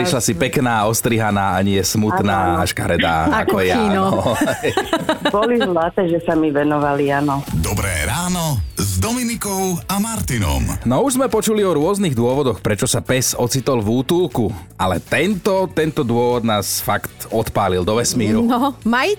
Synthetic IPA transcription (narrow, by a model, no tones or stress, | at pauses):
pɾiʃlasipɛknaːɔst̪ɾiɦanaːaɲɪɛsmut̪naːaʃka̰ɾɛd̪a̰ːakɔjainɔɔ | bɔlizlat̪ɛːʒɛsamiʋɛnɔʋalianɔd̪ɔbɾɛ̰ːɾaːnɔzd̪ɔminikɔʊamaɾt̪inɔ̰mnɔuʒzmɛpɔt͡ʃuliɔɾʊɔzniɣd̪ʊɔʋɔd̪ɔxpɾɛt͡ʃɔsapɛsɔt͡sit̪ɔlʋuːt̪uːlku | alɛ̰t̪ɛnt̪ɔt̪ɛnt̪ɔd̪ʊɔʋɔd̪naːsfakt̪ɔt̪paːlild̪ɔʋɛsmiːɾunɔmaj